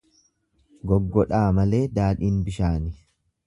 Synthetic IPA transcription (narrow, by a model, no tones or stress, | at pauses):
ɡɔɡːɔᶑaːmɐle̞ːd̪aːᶑiːnbɪʃaːnɪ